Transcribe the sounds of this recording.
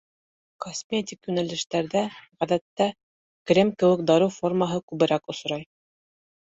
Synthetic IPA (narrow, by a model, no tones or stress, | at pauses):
kosmʲetʲikjʉnælɘ̆ʃt̪æɾðæʁæðæt̪ːæ | kɾʲemkɘ̆wɘkd̪ɑɾɤwformaɦɤkʉβɘ̆ɾækŏs̆ɾɑj